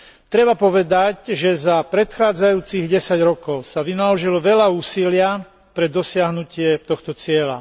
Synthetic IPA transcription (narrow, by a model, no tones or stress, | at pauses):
t̪ɾɛbapɔʋɛd̪acʒɛzapɾɛt̪xaːd͡zajuːt͡siɣɟɛsaɟɾɔkɔʊsaʋinalɔʒilɔʋɛʎauːsilɪa | pɾɛd̪ɔsɪaɦnucɪɛt̪ɔxt̪ɔt͡sɪɛla̰